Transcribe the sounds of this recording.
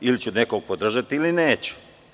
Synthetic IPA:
ilit͡ɕunekoɡ̚pod̪r̩ʒat̪ilineːt͡ɕu̥

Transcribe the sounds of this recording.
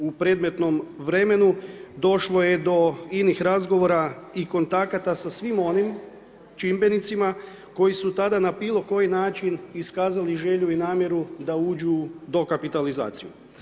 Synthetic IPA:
upɾe̞d̪me̞t̪no̞mʋɾe̞me̞nud̪o̞ʃlo̞je̞d̪o̞inixɾazɡo̞ʋo̞ːɾaiko̞nt̪akat̪asasʋimo̞nim | t͡ʃimbe̞nit̪sima | ko̞jisut̪ad̪anabiːlˠo̞ko̞jinaːt͡ʃiniskaːzaliʒe̞ʎuinaːmje̞ɾud̪auːd͡ʒud̪o̞kapit̪aliza̰ːt̪sijṵ

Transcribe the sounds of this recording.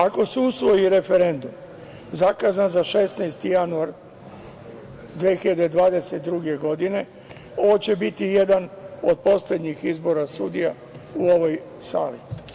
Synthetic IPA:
ako̞seusʋo̞jiɾe̞fe̞ɾe̞nd̪um | zakazanzaʃe̞snajst̪ijanuaɾ | d̪ʋeːxiʎad̪ed̪ʋaːd̪e̞set̪d̪ɾuɡe̞ɡo̞d̪ine̞ | o̞ʋo̞t͡ɕe̞bit̪ije̞d̪ano̞d̪̚po̞sle̞d̪ɲixizbo̞ɾasud̪ija | uo̞ʋo̞j | sa̰ːlḭ

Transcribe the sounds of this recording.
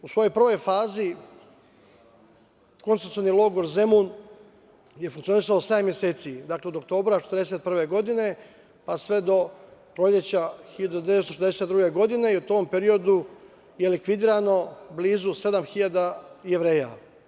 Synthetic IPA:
usʋo̞jo̞jpr̩ʋo̞jfaːzi | ko̞nsut̪ionilˠo̞ɡo̞ɾze̞mun | je̞fuŋk̪sio̞nisaosamje̞se̞ːt̪sid̪aːkle̞o̞d̪ok̚t̪o̞ːbɾat͡ʃet̪ɾd̪eset̪̚pr̩ʋe̞ɡo̞d̪ine̞ | pasʋe̞d̪o̞pɾoʎe̞t͡ɕaxiʎad̪od̪jeet̪t̪oʃezeset̪d̪ɾuːɡe̞ɡo̞d̪ine̞iut̪ompe̞ɾio̞d̪u | je̞likʋid̪iːɾano̞bliːzuse̞d̪amxiʎad̪ajeʋɾe̞ːja̰

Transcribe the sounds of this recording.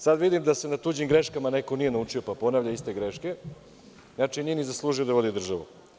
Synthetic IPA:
sad̪ʋid̪imd̪ase̞nat̪uːd͡ʑimɡɾe̞ʃkamane̞ko̞nije̞naut͡ʂio̞papo̞naːʋʎʲaist̪e̞ɡɾeʃke̞ | znat͡ʃinije̞nizaslˠuːʒijo̞d̪aʋo̞d̪id̪r̩ʒaʋṵ

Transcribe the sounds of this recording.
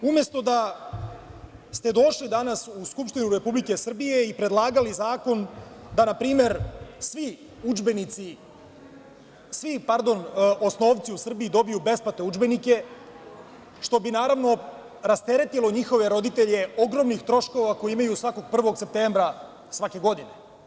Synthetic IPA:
umje̞st̪o̞d̪a | st̪e̞d̪o̞ʃlid̪anasuskupʂʃt̪inuɾe̞publike̞sr̩bije̞ipɾe̞d̪lˠaːɡalizaːko̞nd̪anapɾiːme̞ɾsʋi | ud͡ʒbenit̪si | sʋipaɾd̪o̞nʔosno̞ːʋt̪siusr̩biid̪o̞bijube̞spat̪e̞ud͡ʒbe̞nike̞ | ʃt̪o̞binaːɾaʋno̞ | ɾast̪e̞ɾe̞t̪ilˠo̞ɲixo̞ʋeɾo̞d̪it̪e̞ʎe̞o̞ɡɾo̞mnixt̪ɾo̞ʃko̞ʋako̞jiimajusʋako̞ɡ̚pr̩ʋo̞ɡse̞p̚t̪embɾa | sʋake̞ɡo̞d̪ine̞

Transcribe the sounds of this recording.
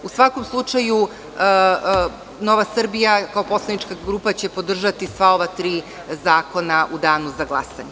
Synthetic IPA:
usʋako̞mslˠut͡ʂaju | no̞ʋasr̩bijakao̞po̞slˠanit͡ʃkaɡɾuːpat͡ɕe̞po̞d̪r̩ʒat̪isʋao̞ʋat̪ɾiː | zaːko̞naʔud̪aːnuzaɡlˠa̰sa̰ɲe

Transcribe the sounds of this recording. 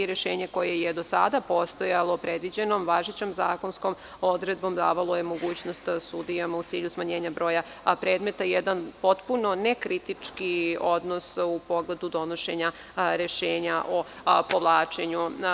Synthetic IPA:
iɾeʃeːɲeko̞je̞jed̪o̞sa̰d̪apo̞st̪ojalˠo̞pɾed̪ʋid͡ʑe̞nomʋaʒit͡ɕomzaːko̞nsko̞m | o̞d̪ɾe̞d̪̚bo̞md̪aːʋalˠo̞je̞mo̞ɡuːt͡ɕno̞st̪sud̪ijamaut̪iːʎusmaɲe̞ːɲabɾo̞ːjapɾe̞ːd̪me̞t̪ajed̪anpo̞t̪puno̞nekɾit̪it͡ʂkio̞d̪nosupo̞ɡle̞d̪ud̪o̞no̞ʃe̞ɲa | ɾeʃeːɲaʔo̞ | po̞ʋlˠaːt͡ʃe̞ɲu

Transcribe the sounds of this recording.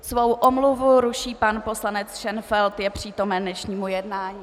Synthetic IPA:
svo̞wʔomluvuɾuʃiːpanpo̞slanɛt͡sʃɛnfɛlt̪jɛpr̝̥iːt̪o̞mɛnːɛʃɲiːmujɛdnaːɲiː

